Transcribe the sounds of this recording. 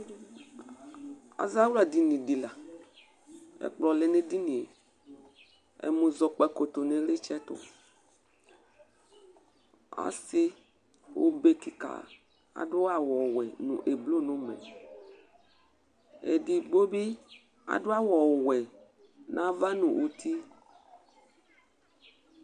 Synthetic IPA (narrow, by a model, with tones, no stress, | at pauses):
a̰˨za˦wu˦la˨di˨nĩ˨di˨la˨ | ḛ˨k͡plɔ˨le˨nẽ˦di˦nĩ˨e˨ | ḛ˨mũ˨zɔ˨k͡pɛ˨ko˨t̪o˨nẽ˨le˦t͡ʃɛ˦t̪ʊ̰˨ | a̰˨si˦ | wʔo̰˦be˦ki˨ka̰˨ | a̰˨ɖo˦a˨wɔ˨wɛ̰˨nṵ̃˨ʔe˨blo˦nõ˦mḛ˨ | ḛ˨di˨ɡ͡bo˦bi˦ | a̰˨ɖo˦a˦wɔ˨wɛ˨ | nʔã˦va˦nũ˨wʔo˨t̪i˦